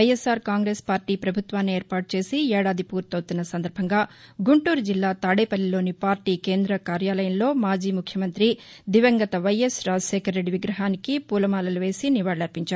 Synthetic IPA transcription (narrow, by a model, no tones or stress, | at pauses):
ɐjesːaːɾkaːŋɡɾe̞ːspaːɾʈiːpɾɐbʱut̪ʋaːnːie̞ːɾpaːʈ̚t͡ʃe̞ːsiɛːɽaːd̪ʱipuːɾt̪ɐwt̪unːɐsɐnd̪ɐɾbʱɐŋɡaː | ɡuɳʈuːɾud͡ʒilːaːt̪aːɽeːpɐlːilo̞ːnipaːɾʈiːkeːnd̪ɾɐkaːɾjaːlɐjɐnlo̞ːmaːd͡ʒiːmukʰjɐmɐnt̪ɾid̪iʋɐŋɡɐt̪ɐʋɐjesɾaːd͡ʒɐʃɛːkʰɐɾːe̞ɖːiʋiɡɾɐɦaːnikipuːlɐmaːlɐluʋe̞ːsiniʋaːɽlɐɾpiɲt͡ʃaːɾu